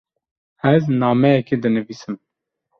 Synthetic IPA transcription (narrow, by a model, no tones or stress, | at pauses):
ɛznɑːmɛjɛked̪ɨnɨviːsɨm